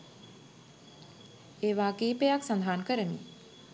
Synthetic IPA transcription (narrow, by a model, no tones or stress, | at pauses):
eːʋaːkiːpejaksand̪ʱaːnkəɾəmḭ